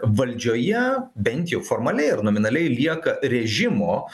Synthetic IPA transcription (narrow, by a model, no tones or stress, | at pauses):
ʋɐlʲd͡ʒʲoːjɛbʲɛnt̪ʲjɛʊfoːɾmɐlʲɛɪɪɾnoːmʲɪnɐlʲɛɪlʲiɛkɐɾʲɛʒʲɪmoː